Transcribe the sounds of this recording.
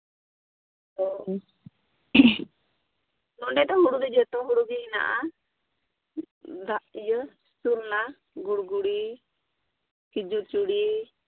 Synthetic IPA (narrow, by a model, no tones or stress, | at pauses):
ɔ | nɔɖɛt̪ɔɦuɽuɡɛd͡ʒɛt̪ɔɦuɽuɡɛina̰ʔa | d̪aʔjə | suɾna | ɡuɽɡuɽi | kid͡ʒut͡ʃuɽi